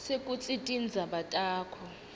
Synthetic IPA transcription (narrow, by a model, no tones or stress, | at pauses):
sekʼut͡sʼitʼind͡zʱaɓatʼaːkʰɔ